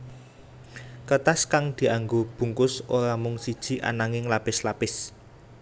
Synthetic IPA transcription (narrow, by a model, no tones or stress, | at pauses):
kət̪askaŋd̪̥i̤aŋɡob̥ṳŋkʊsoɾamʊŋsid̥ʒ̥i̤ʔa̰naŋɪŋlapɪslapɪs